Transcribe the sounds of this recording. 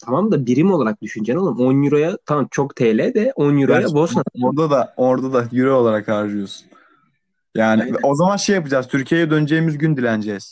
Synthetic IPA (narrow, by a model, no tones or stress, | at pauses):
t̪ʰamamd̪abiɾimolˠaɾak̚d̪yʃynd͡ʒɛnolˠmonjyɾojat̪ʰamamt͡ʃʰo̞kt̪ʰelʲɛd̪ɛonjyɾojabosaoɾd̪ad̪aoɾd̪ad̪ajyɾeo̞lˠaɾakːaɾʒɯjo̞su̥n | jaːnɪvɛʔo̞zamanʃejapɯd͡ʒaːzt̪ʰyɾcʰijejɛd̪ø̞nyd͡ʒejimizɟynd̪ilʲænd͡ʒɛz̥